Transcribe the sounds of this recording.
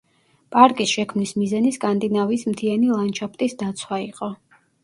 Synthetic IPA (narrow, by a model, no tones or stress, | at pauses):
pʼaɾkʼisʃɛkʰmnismizaniskʼand̪inavismd̪ianilˠant͡ʃʰapt̪ʼisd̪at̪sʰwaiqʼɔ